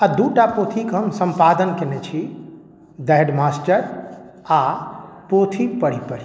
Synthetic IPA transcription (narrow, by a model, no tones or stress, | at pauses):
ad̪uʈapot̪ʰikɦəmsəmpad̪ənkenɛt͡ʃʰi | d̪əɦɖmasʈəɾ | a | pot̪ʰipəɽ̤ipəɾi